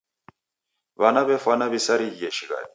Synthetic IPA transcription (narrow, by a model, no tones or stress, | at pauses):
βanaβɛfanaβisaɾiɡɛʃiɣa̰ni